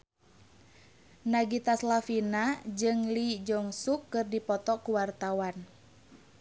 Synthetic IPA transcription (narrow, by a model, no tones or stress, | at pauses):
naɡit̪aslafinad͡ʒɨŋlid͡ʒɔŋsukːɨrdipɔt̪ɔkuwart̪awan